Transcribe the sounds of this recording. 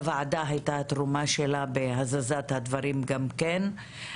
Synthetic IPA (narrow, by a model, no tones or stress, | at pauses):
vaʕad̪aɦajt̪at̪ɾumaʃelabeɦazazat̪had̪vaɾimɡamken